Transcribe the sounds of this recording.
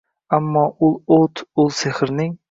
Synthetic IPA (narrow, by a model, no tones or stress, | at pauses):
amːɒʊlˠot̪ʰʊlˠseχɾnɪŋ